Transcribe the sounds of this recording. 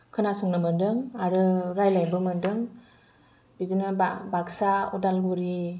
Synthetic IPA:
kʰɯnasuŋnamɯndɯŋaɾɯɾajlajbɯmɯndɯŋ | bizinɯbaksaɔdalɡuɾi

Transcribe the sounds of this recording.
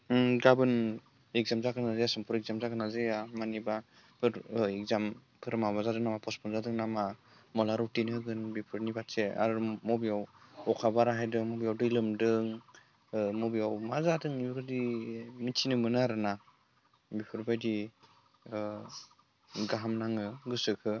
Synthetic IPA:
ɡabɯn | ek̚zamzakɯnazajasɯmpʰuɾɛk̚zamzakɯnazɯjamaniba | pʰɯɾɛk̚zam | pʰɯɾmabazadɯŋnamapʰɔspʰɔnzadɯŋnama | mɔlaɾɔwtinɯɡɯnbipʰɯɾnibatsea̰ɾmɔbijawɔkʰabaɾaɦajdɯmɔbijawdɯjlɯmdɯŋ | mɔbijawmazadɯŋiɾɔdimitʰinɯmɯnaɾɯna | bipʰɯɾbajdi | ɡaɦamnaŋɯɡɯsɯkʰɯ

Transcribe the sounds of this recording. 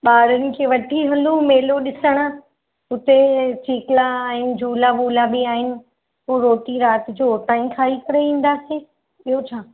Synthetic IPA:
ɓaːɾənɪ̆kʰeːʋɐʈʰiɦɐnd̪ũmeːloɗɪsəɽ̃a | ʊt̪et͡ɕiːklaaːɦɪnɪ̆d͡ʑʱuːlaɓuːlabiaːɦɪnɪ̆ | ɦuːɾoːʈiɾaːt̪ɪd͡ʑoːʈãːĩkʰaːikɐɾeʋĩːn̆d̪aseː | iɦot͡ɕʰaː

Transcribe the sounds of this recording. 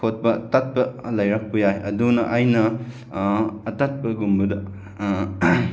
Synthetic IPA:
ot̚pɐtɐt̚pɐlɐjɾɐk̚pɐjajɐdunɐʔajnɐ | tɐt̚pɐɡumbɐdɐ

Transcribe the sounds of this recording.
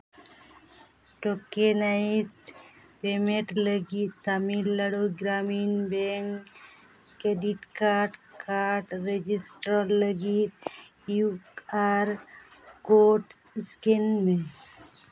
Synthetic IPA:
ʈokenaizʈpemeʈləɡit̪t̪amilːəɽoɡɾaminbeŋkː | eɖiʈkaɾʈkaɾʈɾed͡ʒisʈələɡit̪̚ | juaɾkoʈ | skenme

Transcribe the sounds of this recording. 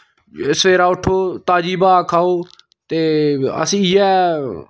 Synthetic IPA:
səʋeːɾaːʊʈʰːoːt̪aːd͡ʒiːbaːkʰaːoː | t̪eːə̰sĩːjɛː

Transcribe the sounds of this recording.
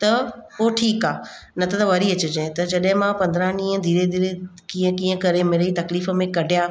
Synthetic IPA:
t̪ɐpoːʈʰiːkaːnɐt̪ɐt̪ɐʋɐɾiɐt͡ɕʊd͡ʑẽt̪ɐd͡ʑɐɗɦɪ̃mãpɐ̃nd̪ɾaɦnĩːə̃d̪ʱiːɾed̪ʱiːɾekiːə̃kĩːə̃kɐɾemeːɾit̪ɐkliːfə̆mẽkɐɖʱjaː

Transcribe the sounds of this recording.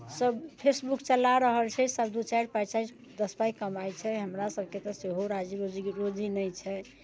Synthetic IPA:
səbpʰesbukt͡ʃəlaɾəɦəlt͡ʃʰɛsəbd̪ut͡ʃajɾpajt͡ʃais | d̪əspajkəmajt͡ʃʰɛɦəmɾasəb̚ʱket̪ɔseɦoɾad͡ʒiɾod͡ʒiɾod͡ʒinəjt͡ʃʰɛ

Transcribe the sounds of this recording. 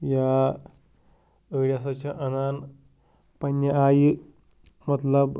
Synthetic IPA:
ja | əɭjasat͡ɕaʔənan | pənːjəaj | mət̪ləb

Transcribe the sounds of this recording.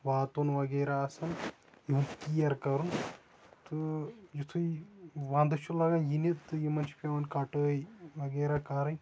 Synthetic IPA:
ʋaːt̪onʋɐɡɐːɾaɐsɐn | jiɦũk̪ijɐɾkɐɾun | t̪ɨjit̪ʰuiʋãːnd̪ɐʃʰulaːɡanjinit̪t̪ɨjimɐnt͡ʃʰi̥pʲɐʋɐnkɐʈəːjʋɐɡɐːɾakaːɾɐn

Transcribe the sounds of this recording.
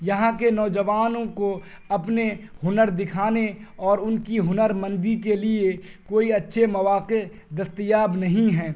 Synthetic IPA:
jɐɦãkenɔːd͡ʒəʋaːnõko | ɐpneɦʊnəɾd̪ɪkʰaːneɔːɾʊnkiɦʊnəɾmɐ̃nd̪ikelie | koːiɐtːʃʰemɐʋaːqe | d̪ɐst̪əjaːbnɐɦĩɦɛː

